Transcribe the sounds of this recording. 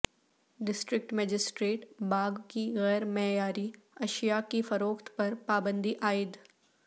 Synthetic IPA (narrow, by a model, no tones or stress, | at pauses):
ɖɪsʈɾɪk̚ʈmɛːd͡ʒɪsʈɾeːʈbaːɡkiɣɛːɾmɛɦjaːɾi | ɐʃijakifɐɾoːkt̪pɐɾpaːbə̃nd̪ʱiʔaːɪd̪